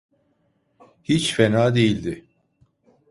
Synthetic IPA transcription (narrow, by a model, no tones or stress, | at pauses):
hit͡ʃfɛnaːd̪e̞jilʲd̪ɪ